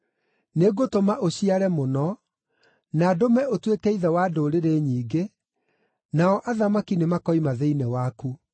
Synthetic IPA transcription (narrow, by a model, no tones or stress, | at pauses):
neɡotomaʔoɕiaɾɛmonɔ | naːdomɛʔotwekɛiðɛwadoːɾeɾeːɲiːɡe | naɔʔaðamakinemakɔimaðɛinɛwaku